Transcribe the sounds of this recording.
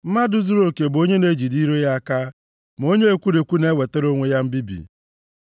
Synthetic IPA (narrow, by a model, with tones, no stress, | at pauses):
m̩˦ma˦dʊ˦zu˦ɾo˨ke˨bo˦ɲe˦ne˦d͡ʒi˨di˦ɾe˦ja˦a˦ka˦ | m˨o˦ɲe˦e˦kʷu˦ɾe˨kʷu˦ne˦we˨te˦ɾo˦ŋʷe˦ja˦m̩˦bi˦bḭ˨